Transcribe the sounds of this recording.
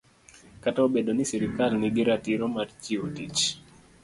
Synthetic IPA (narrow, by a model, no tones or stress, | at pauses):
kataobedonɪsiɾikalnɪɡɪɾatɪɾɔmart͡ʃiotit͡ʃ